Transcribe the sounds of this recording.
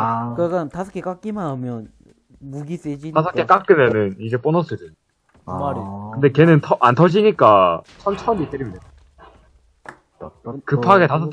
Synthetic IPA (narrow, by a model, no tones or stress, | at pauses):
kɯkantasʰʌ̥kʰek͈ak͈imamjʌn | muɡis͈ed͡ʑitasʰʌkʰek͈ak͈ɯmjʌnɯnid͡ʑe̞p͈onʌsʰɯdeɲ | kɯnde̞kenɯntʰʌʔantʰʌd͡ʑiɲik͈at͡ɕʰʌmt͡ɕʰʌmdit͈ɯɾimin | kɯpʰaɡetasʰʌk